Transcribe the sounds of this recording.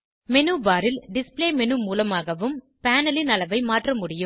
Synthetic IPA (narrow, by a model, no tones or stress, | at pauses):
mɛnɯʋaːɾɪlɖɪspleːmɛnɯmuːlɐmaːɣɐʋɯm | paːnɐlɪnɐlɐʋɐɪmaːʈrɐmʊɽɪjɯm